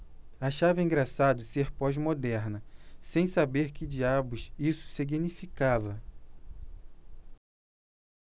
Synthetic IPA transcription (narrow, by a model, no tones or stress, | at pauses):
aʃavɐĩɡɾasad̪ʊseɾpɔzmod̪ɛɾnɐsẽj̃sabeɾkɪd͡ʒiabʊsisʊ̥siɡinifikavɐ